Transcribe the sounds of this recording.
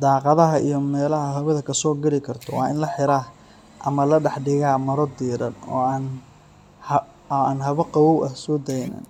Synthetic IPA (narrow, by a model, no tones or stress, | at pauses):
d̪ɑːqɑðɐɦɐʔḭjɞmɛːlɐɦɐɦɐβɐðɐkʰɐsɔːɡɐlɪkʰɐrt̪ʰɔwɑ̰ːʔɪ̰nlɐħɪɾaː | ʔɐmɐlɐɖɑħɖɪɣaːmɐɾɔd̪iːɾɐ̰nɔ̰ːaːn | aːnɦɐβɐqɑwɔwʔɐsɔːd̪ɛjnɐ̰n